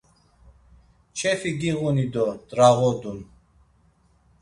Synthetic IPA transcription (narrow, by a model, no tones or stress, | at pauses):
t͡ʃʰɛfiɡiɣunid̪ɔd̪ɾaʁɔd̪un